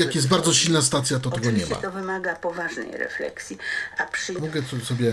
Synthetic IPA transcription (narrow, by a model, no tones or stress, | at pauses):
jakjɛsd̪baɾd̪zɔɕilnast̪at̪sʲjat̪ɔt̪ɛɡɔɲɛma̰t̪ɔvɘmaɡapɔvaʐnɛ̰jɾɛ̰flɛ̰ksʲiapʂɘmɔɡɛɔsɔbʲjɛ